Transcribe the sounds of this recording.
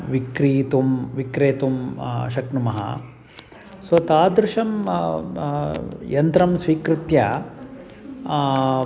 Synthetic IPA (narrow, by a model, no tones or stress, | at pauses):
ʋikɾiːt̪umʋikɾeːt̪um̰ʃɐknumɐɦɐ̰ | sʋɐt̪aːd̪ɾɪʃɐm | jɐnt̪ɾɐmsʋiːkɾut̪jɐ